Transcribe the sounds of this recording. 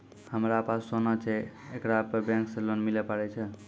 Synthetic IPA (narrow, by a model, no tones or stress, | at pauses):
həmɾapasonət͡ʃʰɛ | ekɾapəɾbɛ̃ŋksẽlonmilɛpaɽɛt͡ʃʰɛ